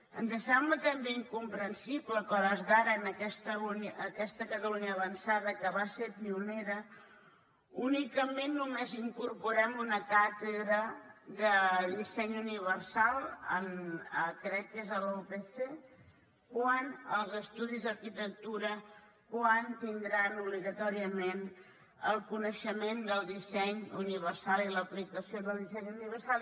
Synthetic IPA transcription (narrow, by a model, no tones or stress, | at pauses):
ənzəsɛmblət̪əmbeiŋkumpɾənsibləkɔləzðaɾənəkɛst̪əlunəkɛst̪əkət̪əluɲəːβənsaðəkəβaseɾpiuneɾə | unikəmenːumeziŋkuɾpuɾɛmunəkat̪əðɾəðəðisɛɲuniβ̞ərsalˠə̰nəkɾɛkːezəlopeθe | kwanəlˠzəst̪uðizðəɾkit̪ək̚t̪uɾə | kwant̪ind̪ɾanuβliɣət̪ɔɾiəmen | əlˠkunəʃəmend̪əlˠd̪isɛɲuniβ̞ərsalˠiləplikəsioðəlˠd̪isɛɲuniβərsalˠ